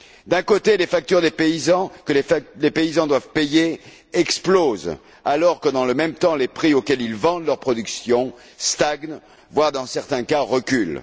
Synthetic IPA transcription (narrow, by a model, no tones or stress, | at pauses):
d̪ɛ̃kot̪elefak̚t̪yʁd̪epeizɑ̃kəlelepeizɑ̃d̪wavpeje | ɛksploz | alɔʁkəd̪ɑ̃ləmɛmt̪ɑ̃lepχiokʲɛlilvɑ̃d̪lœʁpχɔd̪yksjɔ̃ | st̪aɡn | vwaʁd̪ɑ̃sɛʁt̪ɛ̃kaʁəkʲyl